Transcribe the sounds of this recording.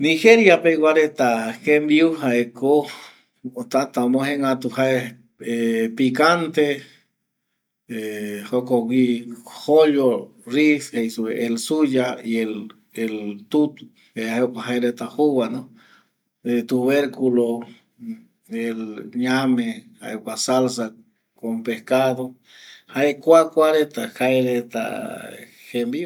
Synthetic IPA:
niheɾjapewʷaɾet̪akembiuhaeko | ot̪at̪aomõheŋat̪uhae | epikant̪e | ehokowihoʎo | rishejsueʔelsujaiel | elt̪ut̪u | eaheokaɦaeɾet̪ahuβano | et̪uβeɾkulo | elɲameha̰ekasalsa | kompehkaðo | haekʷakʷaɾet̪akaeɾet̪a̰ | hembio

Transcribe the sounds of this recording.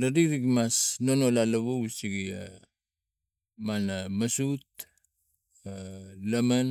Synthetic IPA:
dadikɾikmasnonolalaβosiɡia̰ | manamasut̚ | alaman

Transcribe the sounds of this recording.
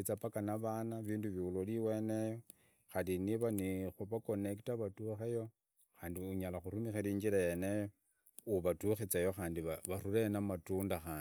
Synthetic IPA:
it͡sapakanaβanaβiːnduβiuloliwenejo | xaliniβanixuβako̞nektaβatuxejo̞ | xaːndiuɲalaxuɾumixeliːɲd͡ʒilajenejo | uβatuxit͡sajo̞xaːndiβaβaɾulenamatuːndaxaːndi

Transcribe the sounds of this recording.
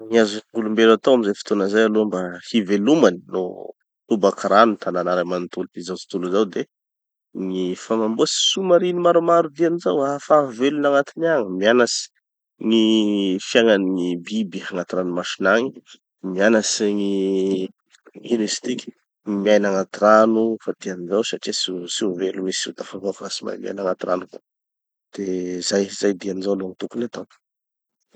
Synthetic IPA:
ŋiazŋulumbelat̪owamizajfi̥t̪onəzajalombahivelumanino̰ | t̪ubakɾanut̪ʰananaɾamant̪ulut̪izawt͡si̥t̪uluzawd̪e | ŋifamambuasi̥sumaɾinimaɾumaɾud̪ianizawafavelunaŋat̪inaŋəmianasi̥ | ŋifjaŋaniŋibibiaŋat̪iɾanumaʃinaɲi | mianasiŋi | inist̪ikʲi̥ | imiajnaŋat̪iɾanufat̪ianizawsaʈ͡ʂisisivelumesḭt̪afavofasima̰mia̰jnaŋat̪ira̰nuku̥ | d̪̥ezajz̥ajd̪ianizawloaŋit̪ukunat̪o̥

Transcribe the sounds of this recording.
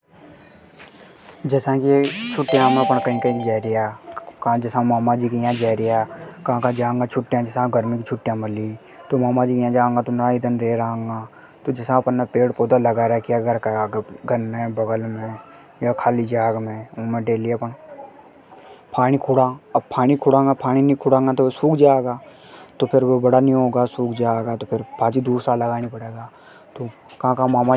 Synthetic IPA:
d͡ʒɛsãkit͡ʃʰʊʈːjãmẽpəɳkɐɦĩkəĩkid͡ʒɛːɾijakãd͡ʒəsãmaːmad͡ʒikijãd͡ʒɛːɾijakɐɦãkad͡ʒãːŋɡat͡ʃʰʊʈːjãd͡ʒɪsãɡəɾmikit͡ʃʰʊʈːjãməli | t̪omaːmãd͡ʒikjãd͡ʒãːŋɡat̪onɐɾaid̪ənɾeɾaãŋɡa | t̪od͡ʒɪsãpənːapeːɽpoːd̪aləɡaɾakijaɡʱəɾkaɡʱənmẽbɐɡəlmẽ | jakʰaːlid͡ʒaːɡmẽũːmẽɖeːliapəɳ | pʰaːɽ̃ikʰʊɽaːɐbpʰaːɽ̃ikʰʊɽãŋɡapʰaːɽ̃inĩkʰʊɽãːŋɡat̪osuːkʰd͡ʒaːɡaː | t̪opʰɪɾʋobɐɽanĩɦoːɡasuːkʰd͡ʒaːɡat̪opʰɪɾpʰaːd͡ʒid̪uːɾsaːlːɐɡaːnipɐɽeːɡaː | t̪o | kɐɦãkamaːma

